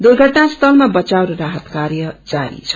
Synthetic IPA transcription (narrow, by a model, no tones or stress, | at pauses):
d̪urɡʱʌʈnast̪ʰʌlmabʌt͡sawɾʌɾaɦət̪kaɾjʌd͡zaɾḭt͡sʰʌ̥